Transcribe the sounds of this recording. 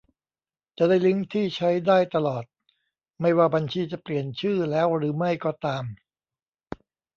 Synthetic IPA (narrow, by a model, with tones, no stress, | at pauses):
t͡ɕa˨˩da˥˩jlɯ˦˥ŋt̪ʰiː˥˩t͡ɕʰa˦˥jdaː˥˩jt̪a˧lɔː˨˩t̪̚ | ma˥˩jwaː˥˩ba˧nt͡ɕʰiː˧t͡ɕa˨˩pli˨˩ənt͡ɕʰɯː˥˩lɛː˦˥wɾɯː˩˦ma˥˩jkɔː˥˩t̪aː˧m